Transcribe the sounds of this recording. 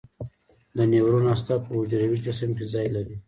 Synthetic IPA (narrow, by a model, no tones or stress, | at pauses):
d̪ənewɾunast̪apəʊd͡ʒɾawikasɪmkizɑjlaɾi